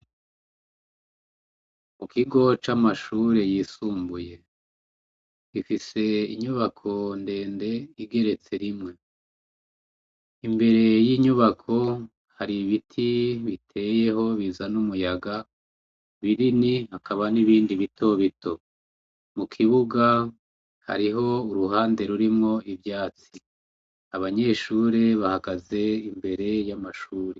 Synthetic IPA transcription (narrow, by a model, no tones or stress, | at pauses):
mukʰiɡo̞t͡ʃamaʃuɾe̞jisuːmbuje̞ | ɡ̥ifise̞ḭɲuβakʰo̞nde̞ːnde̞iɡe̞ɾe̞t͡se̞ɾimŋe̞ | imbe̞ɾe̞jiɲuβakʰo̞ | haɾiβitʰiβitʰe̞je̞ɦo̞βizanumujaɡa | βiɾinihakʰaβaniβiːndiβitʰo̞βitʰo̞ | mukʰiβuɡa | ha̰ɾiɦo̞uɾuɦaːnde̞ɾuɾimŋo̞ivjaːt͡si | aβaɲe̞ʃuːɾe̞βahaɡaze̞imbe̞ɾe̞jamaʃuːɾe